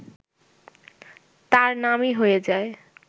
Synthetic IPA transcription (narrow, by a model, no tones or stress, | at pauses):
t̪aɾnamiɦojed͡ʑae